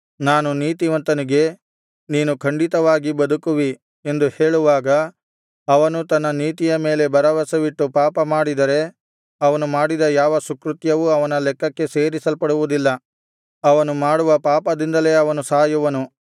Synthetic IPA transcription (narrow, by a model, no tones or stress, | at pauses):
naːnuniːt̪iʋɐnt̪ɐniɡe̞ | niːnukʰɐɳɖit̪ɐʋaːɡibɐd̪ukuʋi | e̞nd̪uhe̞ːɭuʋaːɡɐː | ʋɐnut̪ɐnːɐniːt̪ijɐme̞ːle̞bɐɾɐʋɐsɐʋiʈːupaːpɐmaːɽid̪ɐɾe̞ | ɐʋɐnumaːɽid̪ɐjaːʋɐsukɾut̪jɐʋuɐʋɐnɐlɛkːɐkːe̞seːɾisɐlpɐɽuʋud̪ilːɐ | ɐʋɐnumaːɽuʋɐpaːpɐd̪ind̪ɐle̞ːɐʋɐnusaːjuʋɐnu